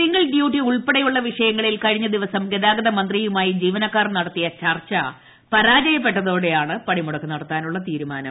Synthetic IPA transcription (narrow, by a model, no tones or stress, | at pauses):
iŋɡɐɭɖjuːʈːiuɭpeɽɐjuɭːɐʋiʂɐjɐŋːɐɭilkɐɻiɲːɐd̪iʋɐsɐmɡed̪aːɡɐðɐmɐnd̪rijumaːjid͡ʑiːʋɐnɐkːaːrnɐɽɐt̪ːijɐt͡ɕɐrt͡ɕɐ | pɐɾaːd͡ʑɐjɐpːe̞ʈːɐðo̞ːɽe̞jaːɳɨpɐɳimuɽɐkːɨnɐɽɐt̪ːaːnuɭːɐt̪iːɾumaːnɐ̰m